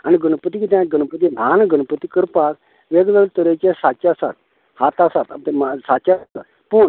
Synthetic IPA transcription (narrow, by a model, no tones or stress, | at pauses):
añiɡənpət̪ikit̪ãɡənpət̪̬imʱanɡənpət̪ikəɾpas | ʋeɡd̪əlt̪əɾẽt͡ɕesat͡ɕasa̰t̪̚ | hat̪asat̪at̪masat͡ɕaa | pun